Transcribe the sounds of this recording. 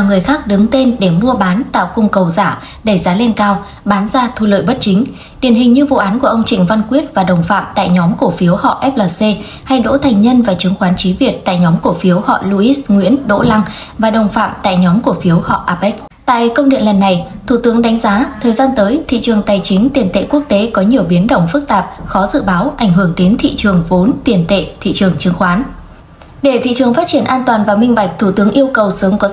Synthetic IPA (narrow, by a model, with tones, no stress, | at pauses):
a˨˩ŋɨ˨˩əjxaː˦˥k̚ɗɨ˨˦ŋt̪e˧nɗe˧˩mu˧əɓaː˨˦nt̪a̰ː˧˨wkʊ˧ŋ͡mkə˨˩wza̰ː˧˩ | ɗe˧˩zaː˨˦le˧nkaː˧w | ɓaː˨˦nzaː˧t̪ʰu˧˩lə̰ː˧˨jɓə˦˥t̚t͡ɕï˨˦ŋ̟ | ɗi˧˩ənɦï˨˩ŋ̟ɲɨ˧vṵ˧˨ʔaː˨˦nku˧˩əʔə˧wŋ͡mt͡ɕï˨˩ŋ̟va˧nkwi˦˥ət̚vaː˨˩ɗə˨˩wŋ͡mfa̰ː˧˨mt̪a̰ː˧˨jɲɔ˨˦mku˧˩əfi˨˦əwhɔ̰˧˨ʔɛ˦˥p̚ləː˨˩se˧ | ha˧jɗo̰˧˥t̪ʰa˨˩ŋ̟ɲə˧nvaː˨˩t͡ɕɨ˨˦ŋxwaː˨˦nt͡ɕi˨˦vi˨˩ət̚t̪a̰ː˧˨jɲɔ˨˦mku˧˩əfi˨˦əwhɔ̰˧˨lu˧ʔi˦˥sŋwḭ˧˥ənɗo̰˧˥la˧ŋ | vaː˨˩ɗə˨˩wŋ͡mfa̰ː˧˨mt̪a̰ː˧˨jɲɔ˨˦mku˧˩əfi˨˦əwhɔ̰˧˨ʔaː˨˧˩p̚ʔɛ˦˥k̚ | t̪a̰ː˧˨jkə˧wŋ͡mɗḭ˧˨ənlə˨˩nːa˨˩j | t̪ʰu˧˩t̪ɨ˨˦əŋɗa˨˦jŋ̟zaː˨˦t̪ʰəː˨˩jzaː˧nt̪əː˨˦jt̪ʰḭ˧˨t͡ɕɨ˨˩əŋt̪aː˨˩jt͡ɕï˨˦ŋ̟t̪i˨˩ənt̪ḛ˧˨ku˦˥ək̚t̪e˨˦kɔ˨˦ɲi˨˩əwɓi˨˦ənɗə˧˩wŋ͡mfɨ˦˥k̚t̪aː˨˩p̚xɔ˨˦zɨ̰˧˨ɓaː˨˦wʔa˧˩jŋ̟ɦɨ˧˩əŋɗe˨˦nt̪ʰḭ˧˨t͡ɕɨ˨˩əŋvo˨˦nt̪i˨˩ənt̪ḛ˧˨t̪ʰḭ˧˨t͡ɕɨ˨˩əŋt͡ɕɨ˨˦əŋxwaː˨˦n | ɗe˧˩t̪ʰḭ˧˨t͡ɕɨ˨˩əŋfa˦˥t̚t͡ɕi˧˩ənʔaː˧nt̪waː˨˩nvaː˨˩mï˧ŋ̟ɓa˨˩k̚t̪ʰu˧˩t̪ɨ˨˦əŋʔi˧əwkə˨˩wsɨ˨˦əŋkɔ˨˦